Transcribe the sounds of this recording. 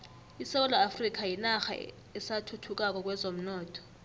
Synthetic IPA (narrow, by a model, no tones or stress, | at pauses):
isɛk̬ɔlaːfrik̬ʰajinaxa̰ | ɛsatʰutʰuk̬ʼak̬ʼɔk̬ʼwɛzom̩nɔːtʰɔ̥